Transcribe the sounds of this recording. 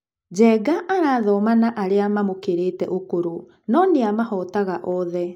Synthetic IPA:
d͡ʑɛːɡaʔaɾaːðɔmanaʔaɾeamamokeɾeːtɛ̰ʔokoɾo | nɔneamahɔtaɣaʔɔðɛ

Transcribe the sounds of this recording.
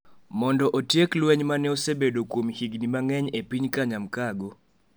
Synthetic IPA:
mɔndɔʔotjeklwɛɲmanɛosebedokwomhiɡnimaŋɛɲepiɲkaɲamkaɡo

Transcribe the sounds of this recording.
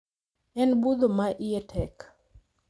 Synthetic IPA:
ɛnbud̪omaʔiɛtʰɛk

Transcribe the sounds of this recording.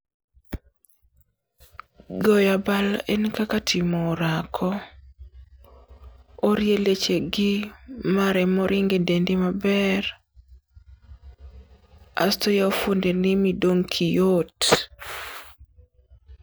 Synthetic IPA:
ɡɔjabalɛnkakatʰɪmɔɾakʰɔ | oɾjelet͡ʃeɡɪmaɾɛmɔɾʔɪŋɡedendimabɛr | a̰stojaofondenɪmidoŋkʰijot

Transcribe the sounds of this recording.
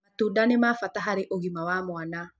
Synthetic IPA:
at̪udanemafat̪aɦaɾeʔoɣimawamoana

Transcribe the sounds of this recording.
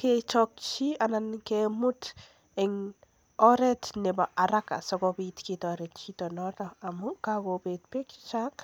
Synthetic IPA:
ket͡ʃɔk̚t͡ʃianankemʊt | ɪŋ | ɔɾɛtnɪbaʔaɾaka̰sɔkɔbitkitɔɾɛtt͡ʃitɔnɔtɔamukakopet̚pekt͡ʃak̚

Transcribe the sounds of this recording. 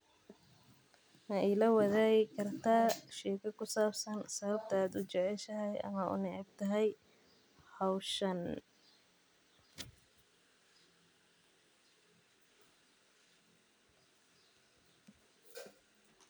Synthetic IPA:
nɐʔɛlɐwɐðaːɣɪkʰɐrt̪ʰaːʃɛːkʰɐkʰʊsaːbsɐnsɐβɐb̚t̪ʰɐaːd̪ʊt͡ʃɛʕɛʃɐɦɛjʔɐ̰mɐʔʊ̰nɪʕɛb̚t̪ʰɐɦɛj | hɑwʃɐn

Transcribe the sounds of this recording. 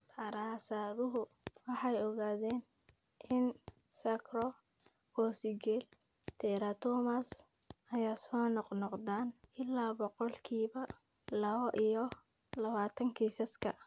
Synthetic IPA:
ɐɾaːsaːðʊɦʊwɑħɑjɔɣaːðɛːnʔɪnsɐkʰrɔkɔːsɪɡɛlt̪ʰɛɾɐt̪ʰɔːmasɐjaːsɔːnɔqnɔqd̪aːnɪlːaːbɔqɔlkʰiːβɐlɐβɐʔijɔlɐβaːt̪ʰɐŋkʰisɐskʰɐ

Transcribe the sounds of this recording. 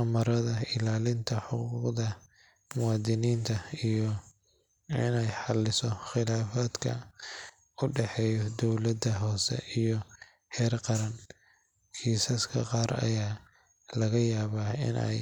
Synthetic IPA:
ɐmɐɾɐðɐɪlaːlɪnt̪ʰɐħʊqːuqðɐ | mʊwɑːd̪ɪniːnt̪ʰɐijɔ | ɪ̰nɛjħɑlɪsɔχɪlaːfaːd̪kʰɐ̰ | ʊɖɛħɛːjɔd̪ɔwlɐd̪ɐɦɔːsɛ̰ʔijɔ | hɛːrqɑɾɐn | kʰiːsɐskʰɐ̰qɑːɾɐ̰jaː | lɐɣɐjaːβaːɪ̰nʔɛ̰j

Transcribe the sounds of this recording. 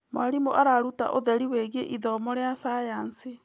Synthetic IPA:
maɾimoʔaɾaɾuta̰ʔoðɛɾiweːɣeʔiðɔmɔɾeasajansi

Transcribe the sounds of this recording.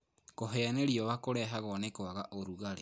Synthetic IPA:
koɦɛaneɾiɔwakoɾɛɦaɣɔnekwaɣaʔoɾuɣaɾḛ

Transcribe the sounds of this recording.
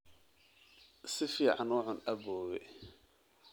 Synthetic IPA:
sɪfiːʕanwɐħʊnɐbɔːwɛ̰

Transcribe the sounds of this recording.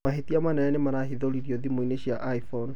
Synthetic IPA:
aɦetiamanɛɾɛnemaɾaɦiðoliɾioðimoineɕiaʔaifɔn

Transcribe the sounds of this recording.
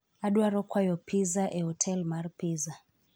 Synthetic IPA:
aɗwaɾɔkʰwajɔpʰizaʔɛɦɔtʰɛlmarpiːza

